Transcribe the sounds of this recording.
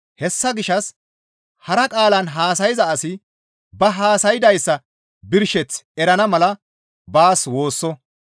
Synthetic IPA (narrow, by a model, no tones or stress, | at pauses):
hɛsːɐɡɪʃɐs | hɐɾɐkʼaːlɐnɦaːsɐjɪzɐɐsɪ | bɐɦaːsɐjɪd̪ɐjsːɐ | bɪɾʃɛt͡sɛɾɐnɐmɐlɐ | baːswo̞ːsːɔ